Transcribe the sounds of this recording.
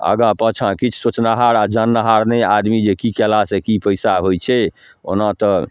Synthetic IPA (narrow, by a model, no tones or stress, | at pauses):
ə̰ɡãpə̃t͡ʃʰãkit͡ʃʰsot͡ʃnaɦaɾad͡ʒanːaɦaɾnead̪mid͡ʒekikɛlasekipəjsaɦojt͡ʃʰɛ | o̰nat̪ɔ